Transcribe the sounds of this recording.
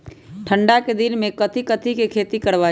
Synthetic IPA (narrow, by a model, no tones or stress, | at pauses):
ʈʰə̃ɳɖaked̪ɪnmẽkət̪ʰikət̪ʰikekʰeːt̪ikəɽʋaː